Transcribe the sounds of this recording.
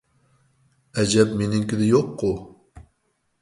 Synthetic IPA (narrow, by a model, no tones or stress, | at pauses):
ɛd͡ʒɛpmenɪŋkʲid̪ɪjoqːʊ